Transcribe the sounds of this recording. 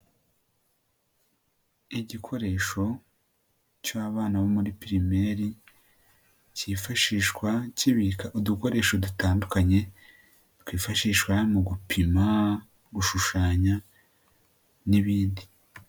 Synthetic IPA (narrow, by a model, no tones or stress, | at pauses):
iɟikʰo̞ɾe̞ʃo̞ | caβaːnaβomuɾipiɾime̞ɾi | ciːfaʃiːʃkwaciβikaʔuduko̞ɾe̞ːʃo̞dutaːndukaɲe̞ | twiːfaʃiːʃwamuɡupʰima | ɡuʃuʃaːɲa | niβiːndi